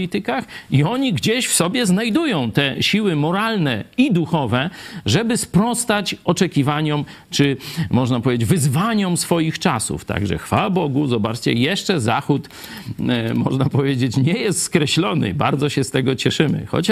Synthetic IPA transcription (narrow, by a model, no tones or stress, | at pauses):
it̪ɘkaxiɔɲiɡd͡ʑeɕfsɔbʲjɛznajd̪ujɔ̃w̃t̪ɛɕiwɘmɔɾalnɛid̪uxɔvɛʐɛbɘspɾɔst̪at͡ɕɔt͡ʂɛkʲivaɲɔm | t͡ʂɘmɔʐnapɔvʲed͡ʑd͡ʑʲvɘzvaɲɔmsfɔjixt͡ʂasṵft̪a̰ɡʐɛ̰xfa̰wabɔɡuzɔbat͡ʂt͡ɕɛ̰jɛʂt͡ʂɛzaxut̪ | mɔ̰ʐnapɔvʲjed͡ʑet͡ɕɲɛjɛst̪skɾɛɕlɔnɘ̰ba̰ɾd̪zɔɕɛst̪ɛɡɔt͡ɕɛʂɘmɘ̰xɔ̰t͡ɕa